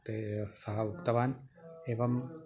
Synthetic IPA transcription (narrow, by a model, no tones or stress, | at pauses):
t̪esɐɦɐukt̪ɐʋaːneːʋɐm